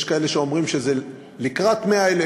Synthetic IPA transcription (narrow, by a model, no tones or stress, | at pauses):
ʃkae̞le̞ʃeo̞mʁimʃe̞ze | likʁat̪meaele